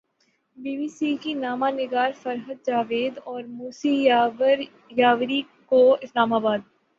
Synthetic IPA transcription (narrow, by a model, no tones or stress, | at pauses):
biːbiːsikinaːmanɪɡaːɾfɐɾɦəd̪̚d͡ʒaːʋeːd̪ɔːɾmuːsiɾ | jaːʋɾikoɪslaːmaːbaːd̪̚